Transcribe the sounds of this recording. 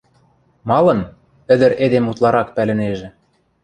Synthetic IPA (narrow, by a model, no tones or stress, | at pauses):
mɑlɤ̆n | ɘ̆d̪ɘ̆ɾed̪emut̪lˠɑɾɑkpælɘ̆neʒĕ